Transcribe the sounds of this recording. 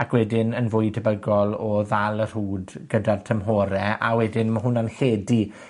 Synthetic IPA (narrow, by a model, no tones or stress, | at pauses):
akʰwɛdɪnənvʊɨdʰəbəɡɔlˠɔðalˠər̥huːdɡədartʰəmɦoːɾɛa̰wɛdɪnmaɦʊnanɬeːdi